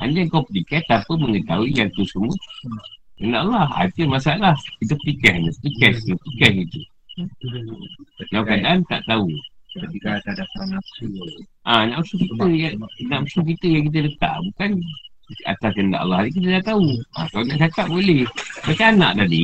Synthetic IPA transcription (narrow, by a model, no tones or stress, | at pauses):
a̰niŋkawpətikɛt̪apəməŋət̪auijat̪usumu | kəndaʔalːaha̰t̪əmasaalahkit̪upətikɛhnəpəpikɛst̪upikɛsit̪u | nawkadaʔant̪a̰ʔt̪au | adana | ʔanaʔusukit̪əjanaʔmusuk̬it̪əjaŋkit̪̬ələt̪a̰ʔbukan | a̰t̪askənda̰ʔa̰lːahik̬it̪ədaʔt̪aua̰kaonaʔt͡ʃakaʔ̚bolɛhbakaana̰ʔt̪adi